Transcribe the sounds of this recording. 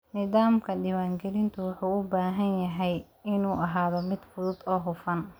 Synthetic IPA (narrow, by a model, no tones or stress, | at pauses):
nɪðaːmkʰɐɖiːwaːŋɡɛlɪnt̪ʰʊwɑħuːʊbaːɦɐnjɐɦɛj | ɪnuːʔɐɦaːðɔmɪd̪fʊðʊd̪ɔːɦʊfɐn